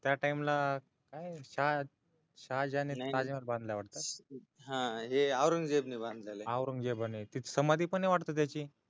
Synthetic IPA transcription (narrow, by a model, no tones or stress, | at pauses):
t̪jaʈaimla | kajɕa | ɕad͡ʑanit̪ad͡ʑimaɾbãnd̪ʱljaʋaʈt̪at̪ | ɦãɦeawɾəŋɡd͡zebnibãnd̪laleawɾəŋɡd͡ʑebanit̪it̪ʰsəmad̪ʱiːpəɳeʋaʈt̪ot̪jat͡ɕiː